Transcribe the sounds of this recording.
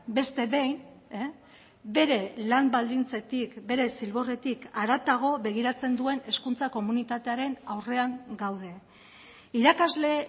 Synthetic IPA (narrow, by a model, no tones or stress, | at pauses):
be̞st̪e̞βe̞jn | be̞ɾe̞lambald̪int͡se̞t̪ikbe̞ɾe̞silβo̞re̞t̪ikaɾat̪aɣ̞o̞βe̞ɣ̞iɾat͡se̞nd̪ue̞ne̞skunt͡sako̞munit̪at̪e̞aɾe̞nawre̞aŋɡawð̞e̞ | iɾakazle̞